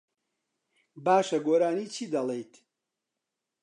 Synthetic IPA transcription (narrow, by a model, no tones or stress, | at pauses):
baːʃɐɡoɾaːniːt͡ʃʰiːd̪ɐlejt̪ʰ